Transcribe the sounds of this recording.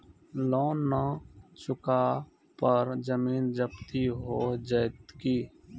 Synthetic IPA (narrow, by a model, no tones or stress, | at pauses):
lɔːnət͡ʃʊka | pəɾd͡ʒəmiːnd͡ʒəbt̪iɦod͡ʒət̪kiː